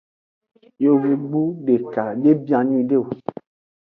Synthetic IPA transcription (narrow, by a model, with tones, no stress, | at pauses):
jo˨wu˨ɡ͡bu˦ɖe˨ka˨ɖe˦bi˦ã˨nĩ˦ɖe˦˨o˨